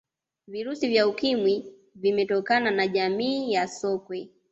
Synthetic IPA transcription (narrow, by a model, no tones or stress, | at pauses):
viɾusivjaukimwi | vimɛtɔkananaʄamiːjasɔkwɛ